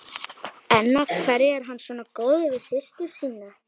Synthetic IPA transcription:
ɛnːafʰvɛɾɪɛɾ̥ɦanːsvɔːnakoːwðɪvɪsɪst̪ɪ̥siːna

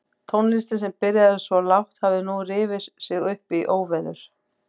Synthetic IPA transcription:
t̪ʰownlɪst̪ɪnsɛmpɪɾjaðɪsvɔlawht̪havðɪnurɪːvɪssɪɣʏhpiʔoːwvɛðʏɾ̥

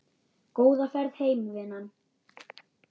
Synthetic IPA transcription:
koːwðafɛɾðheːjmvɪnan

